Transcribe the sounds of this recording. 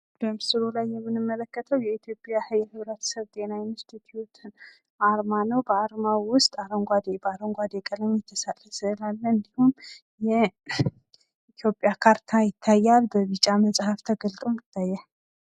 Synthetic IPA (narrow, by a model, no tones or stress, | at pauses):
b̥əmsɨɾolajːɛmːɨnɨmːələkːət̪ʰəwjɛit̪ʰjo̞pʼjahɨjɛhɨβɾət̪sɨβt̪ʼe̞naɪnst̪ʰit̪ʰjut̪ʰn | aɾmanəwbəaɾmawʊst̪ʼaɾəŋɡʷad̪bəaɾəŋɡʷad̪ekʼələɲjɛt̪ʰːəsat̪ʼəsɨlalːəɨnd̪ihum | jɛ | it̪ʰjo̞pʼjakʰaɾt̪ʰajɪt̪ʰːajːalbəβɨt͡ʃʼːaməsʼhaft̪ʰəɡəlt̪ʼomɪt̪ʰːajːɛ